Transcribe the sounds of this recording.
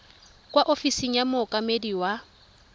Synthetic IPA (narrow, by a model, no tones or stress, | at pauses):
kʼwaʔofisiŋ̩jamʊkʼamediwa